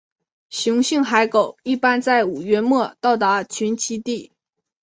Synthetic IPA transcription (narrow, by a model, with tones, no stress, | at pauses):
ɕjʊ˧˥ŋɕi˥˩ŋxa˧˥ɪko˨˩˦ʊi˥˩pa˥nt͡sa˥˩ɪu˨˩ɥɛ˧˥nmwɔ˥˧t̪ɑ˥˩ʊt̪a˧˥t͡ɕʰy˧˥nt͡ɕʰi˥t̪i˥˩